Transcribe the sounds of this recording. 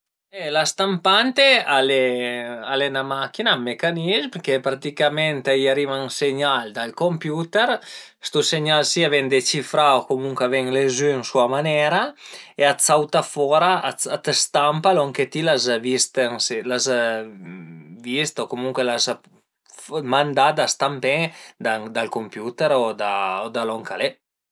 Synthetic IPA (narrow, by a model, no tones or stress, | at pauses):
ɛlast̪ampant̪ealealenamakinaːmːekanizmkepɾat̪ikamɛnt̪ajaɾivaŋseɲald̪alkompjut̪eɾ | st̪useɲalsiavɛŋd̪et͡ʃifɾaokomuŋkweavɛŋlezyŋsuamanɛɾaeasawt̪afɔɾaaat̪st̪ampalɔŋket̪ilazvist̪eŋslaz | vist̪okomuŋkwelaz | mand̪ad̪ast̪ampɛŋd̪ad̪alkompjut̪eɾod̪aod̪alɔŋkale